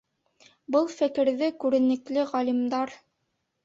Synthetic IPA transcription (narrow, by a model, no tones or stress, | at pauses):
bɤlˠfɘ̆kɘ̆ɾðɘkʉɾɘ̆nɘ̆klɘʁɑlʲimd̪ɑɾ